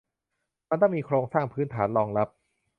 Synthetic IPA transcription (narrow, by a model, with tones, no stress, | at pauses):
ma˧nt̪ɔː˥˩miː˧kʰɾoː˧ŋsaː˥˩ŋpʰɯː˦˥nt̪ʰa̰ː˩˦nlɔː˧ŋɾa˦˥p̚